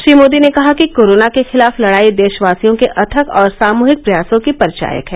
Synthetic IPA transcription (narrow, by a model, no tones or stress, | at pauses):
ʃɾiːmoːd̪inekɐɦakikoːɾoːnakexɪlaːflɐɽaːid̪eːʃəʋaːsijõkeʔɐt̪ʰəkɔːɾsaːmuːɦɪk̚pɾɐjaːsõkipɐɾt͡ʃa̰ːjə̰kɦɛ̃ː